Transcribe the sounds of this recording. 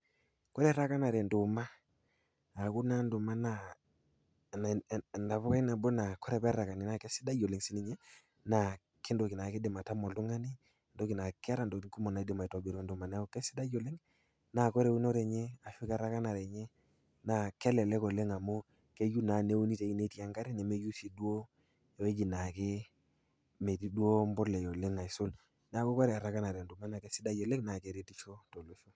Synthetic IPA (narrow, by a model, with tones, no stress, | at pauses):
kɔ˦ɾɛ˨ɾa˦ka˦na˨ɾɛ˨ndʊ˨ma˦ | a˨ku˦na˦ndʊ˨ma˦na˦˨ | n˨nda˨pɔ˦ka˦na˨bɔ˦na˨kɔ˦ɾɛ˨pɛ˦ɾa˨ka˨ni˨na˨kɛ˦sɪ̥˦da˦jɔ˨le˨ŋsi˦ni˦ɲɛ˦ | na˨ | ke˦ndo˨ki˨na˨kɪ˦dɪ˨ma˨ta˦mɔ˨ltʊ˦ŋa˦ni˦ | ndo˦ki˨na˨kɪ˦a˦ɾa˨ndo˨i˦ku˦mɔ˨na˨i˦dɪ˨ma˨i˨tɔ˨be˨ɾɛ˨ndʊ˨ma˨nɛ˦ɔ˨kɛ˦si̥˦da˦jɔ˨le˦ŋ | na˨kɔ˦ɾe˨˦u˦nɔ˦ɾɛ˨ɲɛ˦a˨fi˦ka˨ɾa˦ka˦na˨ɾɛ˨ɲɛ˦ | na˨kɛ˦lɛ˨lɛ˦kɔ˨le˦ŋa˨mo˦ | ke˦ju˦na˨ne˦o˦ni˦te˨˦ki˦ne˨˦ti˦a˨ŋɡa˦ɾi˦nɛ˨me˦ju˦si˨du˦o˦ | e˨we˦d͡ʒi˨na˨kɪ˦ | me˨ti˦du˦o˦mbɔ˦lɛ˨jɔ˨le˦ŋa˨i˨sʊ˦l | n˦a˨ko˦kɔ˦ɾɛ˨a˨ɾa˦ka˦na˨ɾɛ˨ndu˨ma˦na˨ke˦sɪ˦da˦d͡ʒɔ˨le˦ŋna˨ke˨ɾe˦ti˦t͡ʃo˦to˨lu˦su˦